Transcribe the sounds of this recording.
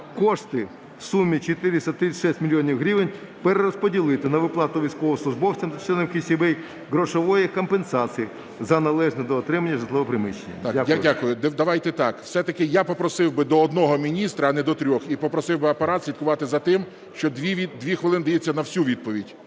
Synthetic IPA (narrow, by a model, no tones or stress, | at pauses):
kɔʃt̪ɪ | wsumʲːit͡ʃet̪ɪɾɪsʲɐt̪ɾɪʃɛsʲtʲmʲilʲjɔnʲiwɦɾʲiʋɪnʲ | peɾeɾɔspɔdʲilˠɪt̪ɪnɐʋɪplˠɑt̪ʊʋʲijsʲkɔʋɔslˠʊʒbɔwt͡sʲɐmd̪t͡ʃɛnɪwkʲɪsʲibɛj | ɦɾɔʃɔʋɔjikɔmpensɑt͡s̪ʲiji | zɐnɐlˠɛʒnɛd̪ɔːt̪ɾɪmɐnʲːɐʒɐt̪lˠɪʋɔpɾɪmɪʃenʲːɐ̰t̪ɑdʲakdʲadʲakʊjʊd̪d̪ɐʋɑjt̪ɛt̪ɑkwsɛt̪ɐkɪjapɔpɾɔsɪwbɪd̪ɔːd̪nɔɦɔmʲinʲist̪ɾɐːnɛd̪ɔt̪ɾʲɔxipɔpɾɔsɪwbɪɐpeɾɑt̪sʲlʲid̪kʊʋɑt̪ɪzɐt̪ɪm | ʃt͡ʃɔd̪ʲʋʲiʋʲid̪ʲʋʲixʋɪlˠɪnd̪ɐjet͡sʲːɐnɐwsʲuʋʲid̪̚pɔʋʲidʲ